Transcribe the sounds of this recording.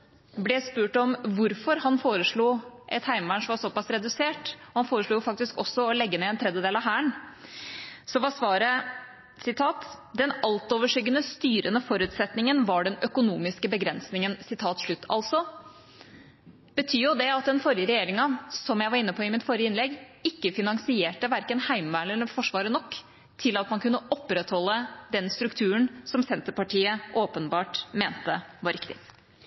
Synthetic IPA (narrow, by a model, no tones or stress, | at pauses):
blɛspʉːʈɔmʋʊɾfɔɾhɑnfoːɾəʂɭuːʔɛt̪hæɪmbæɳʂʋɑsɔpɑsɾɛd̪ʉseːʈɔhɑnfoːɾəʂɭuːjʊfɑk̚t̪ɪskɔsːɔɔlɛɡːəneːɛnt̪ʰɾɛd̪jəd̪eːlɑʋɦæːəɳ | sɔʋɑsʋɑːɾə | sɪt̪ʰɑːt̪d̪ɛnɑlt̪oːʋəʂʏɡənəst̪yːɾənəfɔɾʉːt̪sɛt̪nɪŋənʋɑɖɛnœkʊnuːmɪskəbəɡɾɛnsnɪŋənsɪt̪ʰɑːt̪ʂɭʉt̪ːɑ̰lsɔ | b̥ət̪ʰyːjʊd̪ɛɑt̪̚d̪ɛnfɔɾɪjəɾɛjeːɾɪŋɑsɔmjæɪʋɑɾɪnːəpʰɔɪmɪt̪fɔɾjəɪnlɛɡɪkːəfɪnɑŋsɪeːʈəʋæɾkənhæɪmʋæːlənəfɔʂʋɑːɾənɔkː | t̪ʰɪlɑt̪mɑnkʉnːəʔɔpːɾɛt̪hɔlːəd̪ɛnst̪ɾʉkt̪ʰʉːəɳsɔmsɛnt̪əpɑʈʰiːəʔoːpənbɑːʈmeːnt̪əʋɑɾɪkt̪ɪ̰